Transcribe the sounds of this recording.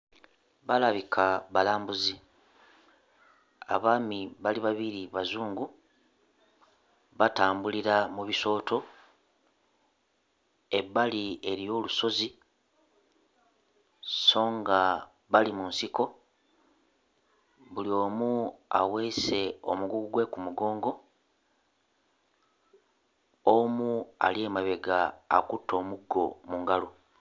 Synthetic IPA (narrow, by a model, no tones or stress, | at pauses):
βalaβikʰaβalaːmbuzi | a̰βaːmiβaliβaβiɾiβazuːŋɡu | βataːmbuliɾamuβiso̞ːtʰo̞ | e̞βːalie̞ɾijo̞ːluso̞zi | so̞ːŋɡa | βalimunsiko̞ | βulio̞ːmua̰we̞se̞o̰muɡuɡɡwe̞kumuɡo̞ːŋɡo̞ | omua̰lie̞ːmaβe̞ɡa̰ːkutːo̞ːmuɡːo̞̰muŋɡalo